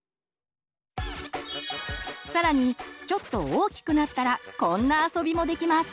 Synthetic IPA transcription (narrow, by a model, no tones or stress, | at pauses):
saɾaɲ̟it͡ɕo̞t̪ːo̞oːkʲi̥kɯ̟nat̪ːaɾakõ̞nːaːso̞bʲimo̞d̪e̞kʲimasɨ̥